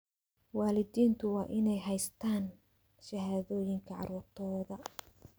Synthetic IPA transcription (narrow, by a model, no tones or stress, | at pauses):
wɑːlɪðiːnt̪ʰʊwɑːʔɪnɛjɦɛjst̪ʰaːn | ʃɐɦaːðɔːjɪŋkʰɐʕɑ̰ɾuːrt̪ʰɔːðɐ